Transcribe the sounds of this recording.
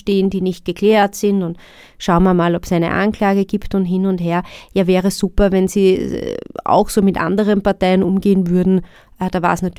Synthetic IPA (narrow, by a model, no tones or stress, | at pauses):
teːəndiːnɪçt̚ɡ̥əkʰl̥ɛːɐtsɪntʊnt | ʃaʊmaɐmaːlɔpsæɪnə̰ʔa̰nklaːɡəɡ̥iːptʊntɦɪnʊntɦeːɐjaːvɛːʁəssuːpɐvɛnziː | a̰ʊxsoːmɪtʔã̰ndəʁənpaɐtaɪənʔʊmɡeːənvʏɐdn̩ | d̥aːva̰ːsnaty